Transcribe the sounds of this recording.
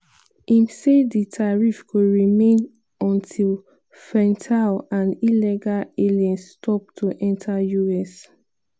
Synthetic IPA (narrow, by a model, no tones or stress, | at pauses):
ĩmseditʰaɹifkuɹimẽn | ɔ̃ntʰil | fɹɛ̃ntʰalãnilɛɡalelɛ̃nstʰɔp̚tʰuʔɛ̃ntʰajuɛs